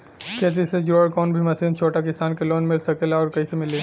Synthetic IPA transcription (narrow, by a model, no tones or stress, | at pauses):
keːt̪̬ised͡ʒoːɽkɔːnbʱimɐsiːnt͡ʃʰoːʈakɪsaːnkeloːnmɪlsɐkelaɔːɾkɐisemɪleː